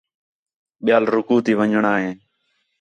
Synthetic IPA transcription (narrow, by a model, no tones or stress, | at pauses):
ɓɪjaːlɾʊkuːt̪iːʋəɲɳaːɦeː